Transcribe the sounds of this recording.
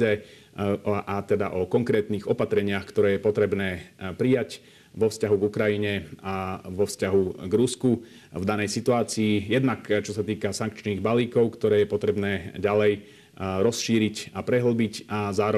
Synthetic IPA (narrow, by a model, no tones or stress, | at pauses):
ɛ | ʔat̪ɛd̪aʔɔkɔŋkɾɛːt̪niːɣɔpat̪ɾɛɲɪaxkt̪ɔɾɛːjɛpɔt̪ɾɛbnɛːpɾijac | ʋɔfscaɦuɡukɾajiɲɛaʋɔfscaɦuɡɾusku | vd̪anɛjsit̪uaːt͡siːjɛd̪nakt͡ʃɔsat̪iːkasaŋkt͡ʃniːɣbaliːkɔʊkt̪ɔɾɛːjɛpɔt̪ɾɛbnɛːɟalɛj | ɾɔsʃiːɾicapɾɛɦl̩bicʔazaːɾɔ